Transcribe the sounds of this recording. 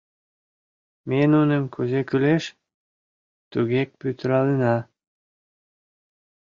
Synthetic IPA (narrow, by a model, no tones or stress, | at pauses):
menunəmkuzekyleʃ | t̪uɣek̚pyt̪əɾɑlenɑ